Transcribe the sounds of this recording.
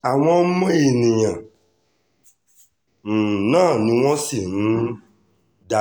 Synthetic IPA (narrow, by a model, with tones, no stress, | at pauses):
a˨w̃ɔ̃˧˦mɔ̃˦e˨nĩ˨jã˨ | nãː˦˨nĩ˦w̃ɔ̃˦si˦˨nũ˦ | da˧˦